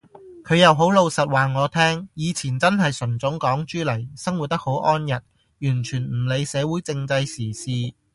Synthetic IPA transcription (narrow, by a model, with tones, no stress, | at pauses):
kʰɵ˨˧ɥjɐ˨˧wɦo˨˥wlo˨˧wsɐ˨t̚waː˨ŋɔː˨˧t̪ʰɛː˥ŋjiː˨˧t͡sʰiː˨˩nt͡sɐ˥nɦɐ˨jsɵ˨˩nt͡sʊ˨˥ŋkɔː˨˥ŋt͡ʃyː˥lɐ˨˩jsɐ˥ŋwu˨t̚t̪ɐ˥k̚ho˨˥wʔɔː˥njɐ˨˩t̚ | jyː˨˩nt͡ʃʰyː˨˩nm̩˨˩le˨˧jsɛː˨˧wuː˨˥jt͡sɪ˧ŋt͡sɐ˧jsiː˨˩siː˧